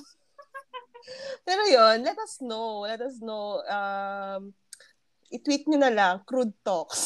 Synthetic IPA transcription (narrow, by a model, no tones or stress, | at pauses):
pɛːɾojonlɛt̪ɐsnowlɛt̪ɐsnowɐm | ʔɪt̪wit̪̚ɲonɐlaŋkɾud̪̚t̪oks